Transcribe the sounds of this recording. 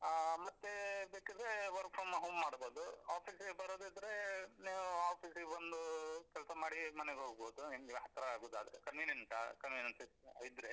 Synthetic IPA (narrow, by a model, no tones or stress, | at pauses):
mɐt̪ːebeːkid̪ɾeʋɐɾk̚pʰomɦoːmːaːɽboːd̪uaːpʰiːsɡebɐɾoːd̪id̪ɐɾe̞neːʋuaːpʰiːsɡebɐnd̪ukɛlsɐmaːɽimɐneɡɦoːɡboːd̪uimɡiɦɐt̪ːɾɐaːɡoːd̪a̰ːd̪ɐɾekɐnʋinensa̰kɐnʋinensiid̪ɾe